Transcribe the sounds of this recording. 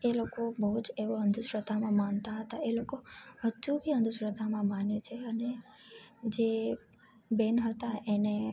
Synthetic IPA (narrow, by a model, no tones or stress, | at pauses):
elokobəɦud͡ʒeʋoənd̪ʱuʃɾəd̪ʱamãmant̪aɦət̪aelokoɦəd͡ʒubʱiənd̪ʱuʃɾəd̪ʱamãmanet͡ʃʰeəne | d͡ʒe | benɦət̪aʔene